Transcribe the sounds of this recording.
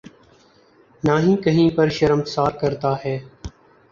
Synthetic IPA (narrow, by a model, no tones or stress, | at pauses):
naːɦĩːkəɦĩːpəɾʃəɾəmt̪saːɾkəɾt̪aːɦɛː